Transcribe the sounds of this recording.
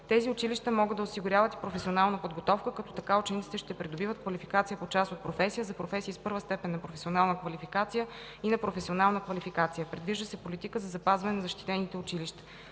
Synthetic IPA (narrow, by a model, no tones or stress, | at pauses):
t̪ɛziʊt͡ʃiliʃt̪əmɔɡəd̪ɐosiɡʊɾʲjavət̪i̥pɾofɛsionalˠnəpod̪ɡot̪ɔfkəkɐt̪ɔ̥t̪ɐkaʊt͡ʃɛnit̪sit̪ɛʃt̪ɛpɾid̪obivət̪̚kvɐlifikat̪sijəpot͡ʃast̪ot̪̚pɾofɛsijəzɐpɾofɛsiːspɤɾvəst̪ɛpɛnːɐpɾofɛsionalˠnəkvɐlifikat̪sijə | inɐpɾofɛsionalˠnəkvɐlifikat̪sijəpɾɛd̪viʒd̪əsɛpolit̪ikəzɐzɐpazvɐnɛnɐzɐʃt̪i̥t̪ɛnit̪ɛʊt͡ʃiliʃt̪ə̥